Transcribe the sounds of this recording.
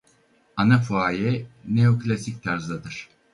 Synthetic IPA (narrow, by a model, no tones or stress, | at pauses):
anafuaːjɛneoklʲasic̚t̪ʰaɾzd̪ad̪ɯɾ̥